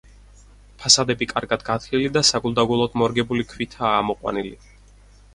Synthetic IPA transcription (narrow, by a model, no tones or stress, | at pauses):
pʰasad̪ɛbikʼaɾɡad̪ɡat̪ʰlilid̪asaɡulˠd̪aɡulˠɔd̪ʰmɔɾɡɛbulikʰwit̪ʰaːmɔqʼwa̰nili